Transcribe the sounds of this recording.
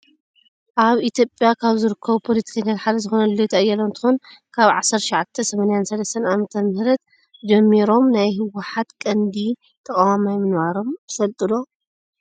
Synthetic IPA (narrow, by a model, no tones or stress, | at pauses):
ʔaβit̪ʰjo̞pʼjakʰaβzɨɾɨkʰːɐβupʰolit̪ʰi̥kʰɐnːjat̪ħalɐzɨxonɐlːojt̪ʰɐʔɐjːɐlont̪ʰɨ̥xunkʰaβʕasːɐɾt̪ʃʕat̪ʰːɐsɐmanijansɐlɐst̪ʰɐnʔamɐt̪ʰɐmɨhɾɐt̪ | d͡ʒɐmːiɾo̞mnajɦɨwːʊħat̪kʼɐnd̪i | t̪ʰʼɐkʼawamajmɨnβaɾo̞mt̪ʰɨfɐlt̪ʼɨlo̞